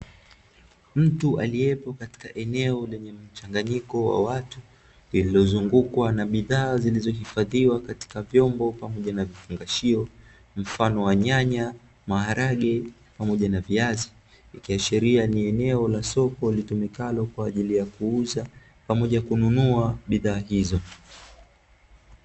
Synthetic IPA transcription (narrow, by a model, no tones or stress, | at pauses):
m̩tua̰liɛpɔkati̥kaʔɛnɛɔlɛɲɛm̩t͡ʃaŋɡaɲikɔwa̰watu | lililɔzuŋɡukwanaɓiðaːzilizɔɦifaðiwakati̥kavjɔmbɔpamɔʄanavifuŋɡaʃiɔ | m̩fanɔwaɲaɲa | maɦaɾaɠɛ | pamɔʄanaviazi | ikiaʃiɾianiɛnɛɔlasɔkɔlitumikalɔkwaːʄilijakuuza | pamɔʄakununuaɓiðaːɦizɔ